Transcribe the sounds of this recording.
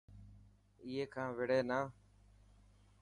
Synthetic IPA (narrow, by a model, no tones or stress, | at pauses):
iːɦeːkʰãːʋɪɽeːnaː